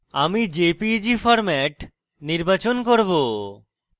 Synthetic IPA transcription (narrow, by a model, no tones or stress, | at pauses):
a̰mid͡ʑepid͡ʑifɔɾmɛʈ | niɾbat͡ɕonkoɾbo